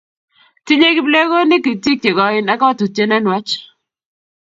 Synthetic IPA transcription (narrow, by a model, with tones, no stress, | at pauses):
tɪ˦ɲe˦ɡɪ˦ble˦ɣo˦nɪ˦ki˨ti˦k̚t͡ʃe˨ɡɔ˨ɪ˦na˦ka˦a˦tu˨te˦nɛ˦nwa˦t͡ʃ